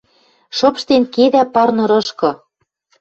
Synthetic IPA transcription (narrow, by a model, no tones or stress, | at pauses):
ʃopʃt̪enkeðæpɑrnɤ̆ɾɤ̆ʃkɤ̆